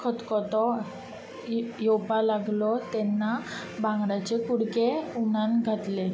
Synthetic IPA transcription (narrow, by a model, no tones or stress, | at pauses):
kʰət̪kɔt̪ɔ | jɔwpalaɡlɔt̪ɛnːa | bãŋɡɽat͡ɕekuɽkeuɽanɡʱat̪le